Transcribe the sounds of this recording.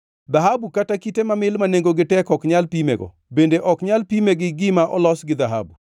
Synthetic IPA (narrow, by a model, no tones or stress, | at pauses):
d̪aɦabukatakitemamɪlmaneŋɡoɡɪtɛkɔkɲalpimḛɡɔ̰ | bendeʔɔkɲalpimeɡɪɡɪmaʔɔlɔsɡɪd̪aɦa̰bu